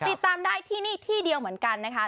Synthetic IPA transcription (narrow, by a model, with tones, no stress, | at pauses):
t̪i˨˩tt̪ːaː˧mdaː˥˩jt̪ʰiː˥˩niː˥˩t̪ʰiː˥˩di˧əwmɯ˩˦ənka˧nːa˦˥kʰa˦˥